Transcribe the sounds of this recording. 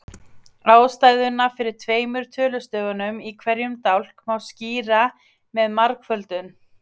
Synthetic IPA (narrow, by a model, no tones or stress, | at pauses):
aːwst̪ajðʏnafɪɾɪɾ̥t̪ʰveːjmʏɾ̥t̪ʰœːlʏst̪œːɣanʏmikʰvɛɾjʏmt̪awl̥kmawsciːɾa | mɛðmaɾkfœlt̪ʏn